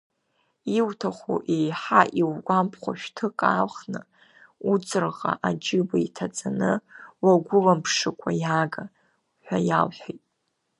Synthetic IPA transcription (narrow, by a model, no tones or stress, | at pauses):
iwtʰaχʷo̰ʔejħaʔiwɡʷampʰχʷa̰ʃᶣtʰɨkʼalχnɨ | ut͡sʼɨrʁa̰ʔad͡ʒɨbaitʰat͡sʼanɨwaɡʷʊlampʰʂɨkʷʰʼajaɡa | ħʷᶣajalħʷᶣajtʼ